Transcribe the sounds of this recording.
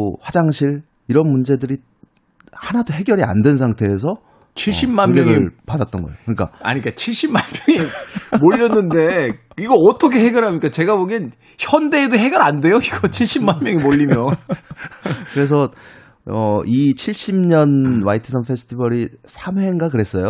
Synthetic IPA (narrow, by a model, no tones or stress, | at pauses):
ɸwad͡ʑaŋɕʰiɭ | iɾʌnmund͡ʑe̞dɯɾi | hanadoɦe̞ɡjʌɾia̰ndwens̬ʰaŋtʰe̞ːs̬ʰʌ | t͡ɕʰiɭɕ͈ipmanmɡeʌɯɭpadat̚t͈ʌnɡʌejokɯɲik͈a̰a̰ɲik͈at͡ɕʰiɭɕ͈immanmjʌŋimoʎːʌnːɯnde̞iɡʌʌtʰʌkʰeɦe̞ɡjʌɾɦamɲikat͡ɕe̞ɡaboɡʌn | çjʌnde̞doɦe̞ɡjʌɾande̞joiɡ̥ʌt͡ɕʰiɭɕ͈imanmjʌŋimoʎːimjʌ | kɯɾe̞s̬ʰʌ | ʌit͡ɕʰiɭɕ͈imɲʌnwaitʰɯsʰʌnpʰe̞sʰɯ̥tʰibʌɾisʰamɦeŋɡakɯɾe̞s͈ʌjo